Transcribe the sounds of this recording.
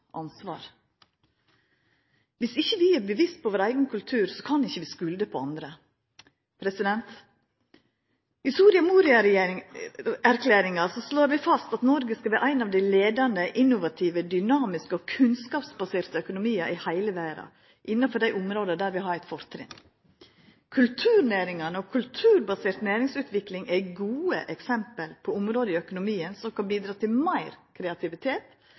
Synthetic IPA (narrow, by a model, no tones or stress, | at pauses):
ʔɑnsʋɑːɾ | ʋɪsɪçːəʋɪæɾbəʋɪst̪̚pʰɔʋoːɾæɪɡənkʰʉlt̪ʰʉːɾsɔkʰɑnɪçːəʋɪːskʉld̪əpʰɔɑnd̪ɾə | pʰɾɛsɪd̪ɛnt̪ | ɪst̪uːɾɪɑmuːɾɪɑɾ | æɾkʰlæːɾɪŋɑsɔsloːɾʋɪfɑst̪ɑt̪nɔɾɡəskɑʋæːɾʔæɪnɑʋd̪æɪleːd̪ɑnd̪əʔɪnːʊʋɑt̪ʰiʋəd̪ʏnɑːmɪskəɔkʰʉnskɑːpsbɑseːɾt̪əœkʊnʊmiːɑʔɪhæɪləʋæːɾɑ̰ | ʔɪnːɑfɔɾd̪æɪʔʊmɾoːd̪əd̪æɾʋɪɦɑɾæɪt̪fɔɾt̪ʰɾɪ̰n | kʰʉlt̪ʰʉːɾnæːɾɪŋɑnəɔkʰʉlt̪ʰʉːɾbɑseːɾt̪næːɾɪŋsʉːt̪ʰʋɪklɪŋʔæɡuːə̰ʔɛksɛmpəlpʰɔʊmɾoːd̪əɪœkʊnʊmiːənsɔmkʰɑnbiːd̪ɾɑːt̪ʰɪlmæɪɾkʰɾɛɑt̪ʰɪʋɪt̪ʰeːt̪